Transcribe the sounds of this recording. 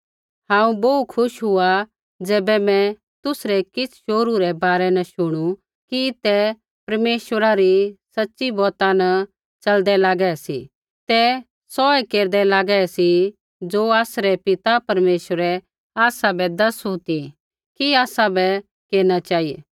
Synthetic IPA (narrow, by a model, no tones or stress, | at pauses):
ɦãːũboukʰʊʃɦʊa | d͡zɛːbɛmɛ̃ | t̪ʊsɾɛkɪt͡sʰʃoːɾuɾɛbaːɾɛnɐʃʊɽ̃u | kit̪ɛ | pɐɾmeːʃwəɾaɾisɐtːʃibɔːt̪ãnɐ | t͡ʃɐld̪ɛlaːɡɛɛsḭ | t̪ɛ | sɔːɛkeːɾd̪ɛlaːɡɛɛsi | d͡zoːaːsɾɛpɪt̪apɐɾmeːʃwəɾɛ | aːsabɛd̪ɐɾsɦut̪i | kiaːsabɛ | keːɾnat͡ʃaːijḛː